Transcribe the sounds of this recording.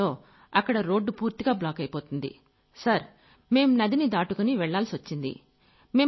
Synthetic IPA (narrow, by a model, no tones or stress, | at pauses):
o̞ː | ɐkːɐɽɐɾo̞ːɖːupuːɾt̪iɡaːblaːkɐjpoːt̪und̪ḭ | sɐɾ | me̞ːmunɐd̪inid̪aːʈukuniʋɛɭːaːlsiʋɐt͡ʃːind̪ḭ | me̞ː